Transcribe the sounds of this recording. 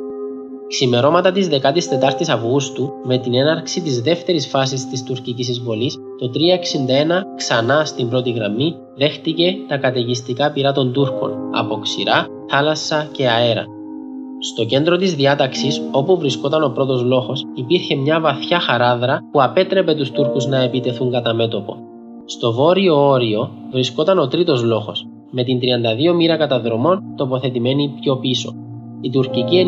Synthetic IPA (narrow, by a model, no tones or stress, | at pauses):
ksime̞ɾo̞mɐt̪ɐt̪izðe̞kɐt̪ist̪e̞t̪ɐɾt̪isɐvɣust̪ume̞t̪ine̞nɐɾksit̪izðe̞ft̪e̞ɾisfɐs̬ist̪ist̪uɾcicis̬izvo̞lis | t̪o̞t̪ɾiɐeksind̪ɐe̞nɐksɐnɐst̪imbɾo̞t̪iɣɾɐmi | ðe̞xt̪ice̞t̪ɐkɐt̪e̞ʝist̪ikɐpiɾɐt̪o̞nd̪uɾko̞̰nɐ̰po̞ksḭɾɐ | θɐlɐsːɐce̞ɐe̞ɾɐ̰ | st̪o̞ce̞nd̪ɾo̞t̪izðiɐt̪ɐksiso̞puvɾisko̞t̪ɐno̞pɾo̞t̪o̞zlo̞xo̞sipiɾçe̞mɲɐvɐθçɐxɐɾɐðɾɐpuɐpe̞t̪ɾe̞pe̞t̪ust̪uɾkuznɐe̞pit̪e̞θuŋɡɐt̪ɐme̞t̪o̞po̞̰ | st̪o̞vo̞ɾio̞o̞ɾio̞ | vɾisko̞t̪ɐno̞t̪ɾit̪o̞zlo̞xo̞s | me̞t̪int̪ɾiɐnd̪ɐðio̞miɾɐkɐt̪ɐðɾo̞mo̞nt̪o̞po̞θe̞t̪ime̞nipço̞piso̞̰ | it̪uɾcicie